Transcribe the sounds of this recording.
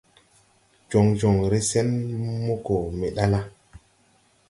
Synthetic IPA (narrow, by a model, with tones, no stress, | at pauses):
d͡ʒo˨ŋd͡ʒo˨ŋɾe˦sɛ˦nmo˦ko˨me˨ɗa˦la˦